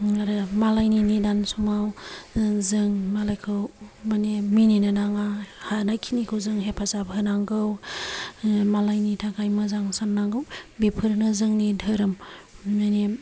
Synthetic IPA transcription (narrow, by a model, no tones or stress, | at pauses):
aɾɯmalajninidansumaw | zɯŋmalajkʰɯwmanemininanaŋahanajkʰinikʰɯwzɯŋɦepʰazabɦɯnaŋɡɯw | malajnitʰakʰajmɯzaŋsanːaŋɡɯwbepʰɯɾnɯzɯŋnidʱɯɾɯmane